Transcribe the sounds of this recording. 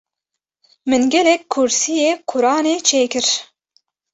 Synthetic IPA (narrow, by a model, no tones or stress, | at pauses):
mɨnɡɛlɛk̚kʰːʊɾsijeːkʰʊɾɑːneːt͡ʃʰeːkɨɾ